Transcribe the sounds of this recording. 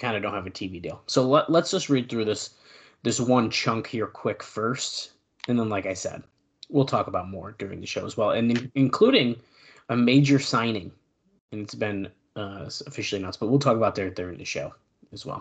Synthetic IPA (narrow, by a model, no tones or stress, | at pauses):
kʰãɪ̃ndɨdõʊ̃nthɨvɨtʰividḭlˠsoʊlələtsd̥ʒ̥ʌst̚ɹid̪̚θɹʉðɪs | ðɪswʌ̃nt͡ʃʰʌ̃ŋkhiɹkʰw̥ɪkfɜ˞st | ɨ̃nðə̃nlaɪkaɪsɛ̰d̥̚ | wilˠtʰɔkəbaʊt̚mɔɹdʊɹɪ̰̃ŋðɨʃoʊəzwɛlˠɨ̰̃nɨ̃ɨ̃nkʰl̥uɾɪ̃ŋ | ɨmeɪd͡ʒə˞sãɪ̃nɪ̃ŋ | ɨ̃nɨtsb̥ɪ̃n | ʌsɨfɪʃl̩ˠinətsb̥ʌt̚wilˠtʰɔkəbaʊt̪̚ðə˞ðəɹɪ̃ŋðɨʃoʊ | ɨzwɛ̰lˠ